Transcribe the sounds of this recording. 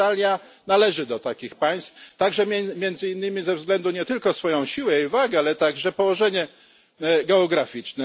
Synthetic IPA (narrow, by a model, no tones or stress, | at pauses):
alʲja | nalɛʐɘd̪ɔt̪akʲixpaj̃st̪ft̪aɡʐɛmʲɛmjɛnd̪zɘinːɘmʲizɛvzɡlɛnd̪uɲɛt̪ɘlkɔsfɔjɔ̃w̃ɕiwɛivaɡɛalɛt̪aɡʐɛpɔwɔʐɛɲɛ | ɡɛɔɡɾafʲit͡ʂnɛ